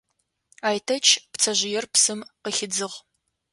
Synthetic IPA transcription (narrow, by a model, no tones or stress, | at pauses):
aːjtʰɐt͡ʃʰpt͡sʰɐʑɪjɛrpsɨmqəxɪd͡zɨʁ